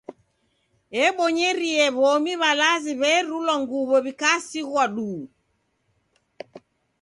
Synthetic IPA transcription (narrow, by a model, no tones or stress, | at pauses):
ɛɓɔɲɛɾiɛβɔmiβalaziβɛɾulwaŋɡuβɔβikasiɣwaɗuː